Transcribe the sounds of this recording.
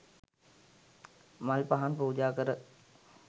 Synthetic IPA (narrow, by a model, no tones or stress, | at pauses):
malpaɦanpuud͡ʒaːkəɾə